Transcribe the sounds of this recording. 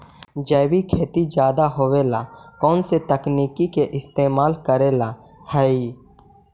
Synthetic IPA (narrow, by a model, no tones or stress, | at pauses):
d͡ʒɛːwikʰeːt̪id͡ʒjaːd̪aɦoweːlakɔːnset̪əkniːkikeʔɪst̪eːmaːlkəɾela | həi